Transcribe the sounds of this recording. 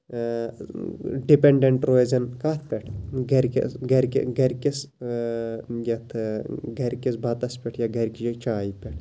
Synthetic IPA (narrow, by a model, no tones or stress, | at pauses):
ɖipeɳɖeɳʈɾoezɐnkaːt̪ʰpʲɛʈʰɡɐɾkḭsɡɐɾkḭɡɐɾkis | jɐt̪ʰɡʱɐɾʲkisbʱɐt̪ɐspʲɛʈʰjaɡɐɾkit͡ʃaːipʲɛʈʰ